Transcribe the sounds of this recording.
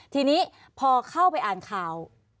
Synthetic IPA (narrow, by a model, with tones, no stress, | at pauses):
t̪ʰiː˧niː˦˥ | pʰɔː˧kʰa˥˩wpa˧jʔaː˨˩nkʰaː˨˩w